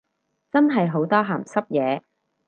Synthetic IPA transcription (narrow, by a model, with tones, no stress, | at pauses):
t͡sɐ˥nɦɐ˨jɦo˨˥wt̪ɔː˥ɦaː˨˩msɐ˥p̚jɛː˨˧